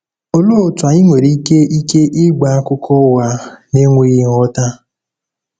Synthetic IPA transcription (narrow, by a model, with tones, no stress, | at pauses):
o˦lo˦˨tʊ˨a˨ɪ˦ŋʷe˨ɾi˦ke˦ʔi˦ke˦ʔɪ˦ɡ͡ba˨˦a˦kʊ˦kʰɔ˦wa˨ne˦ŋʷe˦ɣi˦ŋɔ˦ta˦